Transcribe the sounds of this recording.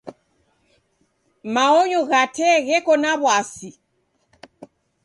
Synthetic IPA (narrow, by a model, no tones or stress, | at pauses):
maɔɲɔɣatɛɣɛkɔnaβwasi